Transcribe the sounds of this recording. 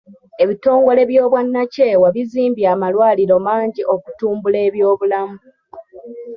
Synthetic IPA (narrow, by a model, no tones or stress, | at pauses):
e̞βito̞ːŋɡo̞le̞βjo̞ːβwanːace̞ːwaβiziːmbjaːmalwaːliɾo̞maːɲɟiʔo̞ku̥tuːmbule̞ːβjo̞ːβulamu